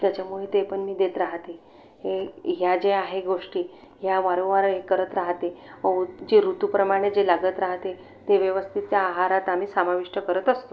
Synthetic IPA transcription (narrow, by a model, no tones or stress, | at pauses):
t̪jat͡ɕjamoɭet̪epəɳmiːd̪et̪ɾaɦt̪e | ɦeɦjad͡ʑeaɦeɡoʂʈiː | ɦjaʋaɾoʋaɾɦekəɾət̪ɾaɦt̪eəd͡ʑeɾut̪upɾəmaɽ̃ed͡zelaɡət̪ɾaɦt̪e | t̪eʋjəʋəst̪ʰit̪jaːɦaɾat̪am̤iːsamaʋiʂʈəkəɾət̪əst̪o